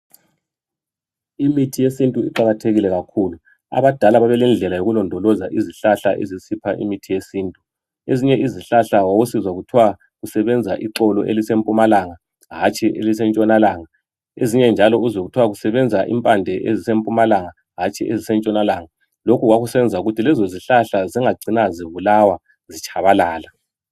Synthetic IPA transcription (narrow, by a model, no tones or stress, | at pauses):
imitʰijesintʼuḭǃaɣatʰeɣilɛɣakʰuːlu | a̰βad̥ʱalaβaβɛlind͡ɮʱɛlajoɣulɔndʱɔlɔzaʔiziɬaɬaʔḛzisipʰaʔḭmitʰijesiːntʼu | eziɲɛʔiziɬaɬawawosizwaɣutʰiwa | ɣusɛβɛnd͡zʱaʔiǁɔlɔ̰ʔḛlisempʼumalaŋa | ɦat͡ʃʼiʔelis̬ɛnt͡ʃʼɔnalaːŋa | eziɲɛnd͡ʒʱalɔuzoɣutʰiwaɣusɛβɛnd͡zʱaʔḭmpʼandʱɛʔezisempʼumalaŋa | ɦat͡ʃʼiʔezisɛnt͡ʃʼɔnalaːŋa | lokʰuɣwaɣusɛβɛnd͡zʱauɣutʰilɛzoziɬaɬaziŋaɡ͡ǀʱinaziβulawa | zit͡ʃʰʼaβalaːla